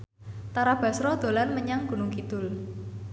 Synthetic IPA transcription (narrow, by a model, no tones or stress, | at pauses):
t̪aɾab̥a̤sɾɔd̪̥o̤lanməɲaŋɡ̥ṳnʊŋkit̪ʊl